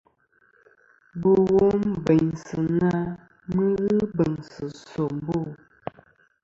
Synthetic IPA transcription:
bo˨wo˦m˨bɛ˨ɲsɨ˨na˦ | mə˦ɣɨ˦bə˨ŋsɨ˨sɔ˨m˨˦bo˦˨

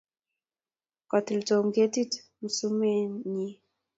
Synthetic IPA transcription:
ka˨ti˨ltɔ˨ŋɡe˦ti˦t | m̩˨su˦mɛ˦ɲi˦

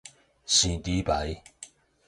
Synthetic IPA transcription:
ɕĩ˨˩t̪i˨˦pa˨˦j

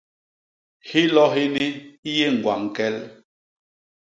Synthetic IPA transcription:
hi˦lɔ˦ɦi˦ni˦i˦je˦˨ŋ̩˨ɡwa̰˨ŋ̩˨kɛ˦l

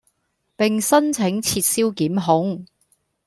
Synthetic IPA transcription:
pɪ˨ŋsɐ˥nt͡sʰɪ˨˥ŋt͡sʰiː˧t̚siː˥wkiː˨˥mɦʊ˨˥ŋ

